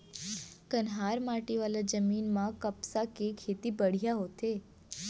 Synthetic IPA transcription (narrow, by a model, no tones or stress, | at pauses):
kənɦaɾmaʈiʋalad͡ʒəminmãkəpsakekʰet̪ibəɽ̤ijaɦot̪ʰe